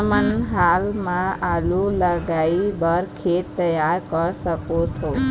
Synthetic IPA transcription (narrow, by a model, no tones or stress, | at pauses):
mənɦalmãalũləɡaibəɾkʰett̪ːəjaɾkəɾʃəkot̪ʰo